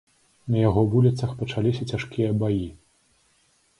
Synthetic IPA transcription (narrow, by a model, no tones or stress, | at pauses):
nɐjaɣɔvulʲit̪sɐxpɐt͡ʂalʲisʲɐt͡sʲaʂkʲijɐbaji